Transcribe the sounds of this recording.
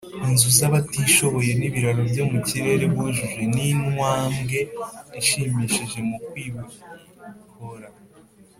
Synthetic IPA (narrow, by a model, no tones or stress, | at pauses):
inzuzaβatiʃo̞βo̞je̞niβiɾaɾovjo̞muciɾe̞ɾe̞βuʒuʒe̞ninŋwaːmɡe̞iʃiːmiːʃiʒe̞mukwiːβuikʰoɾa